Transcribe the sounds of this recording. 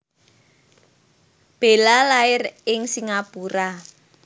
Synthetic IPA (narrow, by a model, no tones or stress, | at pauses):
b̥e̤lalaɪrɪŋsiŋapuɾa